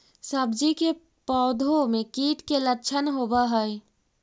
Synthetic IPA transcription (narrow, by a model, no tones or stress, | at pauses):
səbd͡ʒike | pɔːd̪ʱomekiːʈkelət͡ʃʰənɦobəɦəj